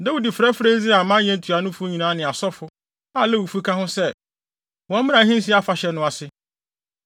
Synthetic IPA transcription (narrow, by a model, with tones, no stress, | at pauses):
da˦u˦di˨fɾɛ˦fɾe˦zɪ˦a˨mã˦ɲɛ̃˦n̩˦tʰu˨a˨nʊ̃˦fʊ˦ɲĩ˨nãː˨˦nɪ̃˨a˨sɔ˦fʊ˦ | a˦˨lɛ˦˨wu˨fu˦kʰã˦hʊ̃˦sɛ˦ | wɔ̃˨˦mɪ̃˦ã˨˦ɦĩ˦n˦si˦a˦fa˨ɕɛ˨nʊ̃˨˦a˨sɪ˦